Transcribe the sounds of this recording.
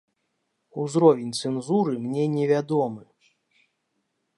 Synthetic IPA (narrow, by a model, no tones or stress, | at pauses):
uzɾɔvʲɛnʲt̪sɛnzuɾɨmnʲɛnʲɛvʲad̪ɔmɨ